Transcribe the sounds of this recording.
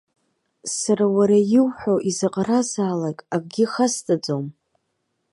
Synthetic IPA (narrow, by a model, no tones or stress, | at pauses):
saɾawaɾajɪwħʷoʔizaqʼaɾazaːlakʼaɡ̚ʷʼɡʲɪχastʼad͡zom